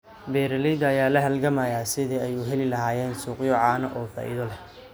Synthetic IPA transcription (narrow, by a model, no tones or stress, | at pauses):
bɛːɾɐlɛjd̪ɐːjaːlɐɦɐlɡɐmɐjaːsɪðɛɛjuɦɛlɪlɐɦaːjɛːnsuːqjɔʕaːnɐʔɔːfa̰ːʔɪ̰ðɔlɛh